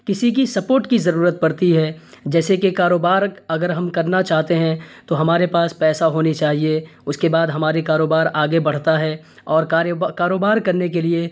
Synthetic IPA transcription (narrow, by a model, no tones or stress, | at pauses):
kɪsik̬isɐpoːɾʈkizɐɾuːɾət̪̚pɐɽt̪iɦɛ | d͡ʒɛːsekekaːɾoːbaːɾɐɡəɾɦɐmkɐɾnat͡ʃaːɦt̪eɦɛ̃t̪oɦɐmaːɾepaːspɛːsaɦoːnit͡ʃaːɦieʊskebaːd̪ɦɐmaːɾekaːɾoːbaːɾaːɡebɐɽ̤t̪aɦɛ | ɔːɾkaːɾoːbaːɾkɐɾnek̬elie